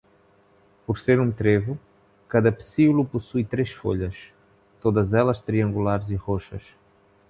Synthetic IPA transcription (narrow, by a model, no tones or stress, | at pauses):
poɾseɾũt̪ɾevu | kaðɐpsiuluposujt̪ɾeʃfo̰ʎɐʃ | t̪od̪ɐzɛlɐʃt̪ɾiɐ̃ŋɡulaɾziʁoʃɐ̰ʃ